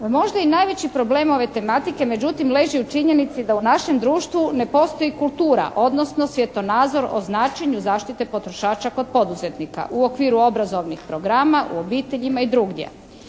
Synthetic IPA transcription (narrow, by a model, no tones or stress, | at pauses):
mo̞ʒd̪ainajʋe̞t͡ɕipɾo̞ble̞ːmo̞ʋe̞t̪e̞mat̪ike̞me̞d͡ʑut̪imleʒiut͡ʃiɲe̞nit̪sid̪aunaʃe̞md̪ɾuːʃt̪ʋune̞po̞st̪o̞jikulˠt̪uːɾa̰ʔo̞d̪no̞sno̞sʋjet̪o̞naːd̪zo̞ɾo̰znaːt͡ʃeɲuzaːʃt̪it̪e̞po̞t̪ɾo̞ʃaːt͡ɕakod̪̚po̞d̪uzet̪nika̰ʔuo̞kʋiːɾuo̞bɾazo̞ʋnixpɾo̞ɡɾaːmaʔṵo̞biːt̪eʎimaid̪ɾuɡd̪ʲjḛ